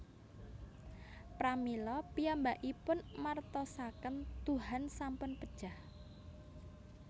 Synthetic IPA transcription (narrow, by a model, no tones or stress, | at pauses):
pɾamilɔpijambaʔipʊnmart̪ɔsakənt̪uɦansampʊnpəd̥ʒ̥ah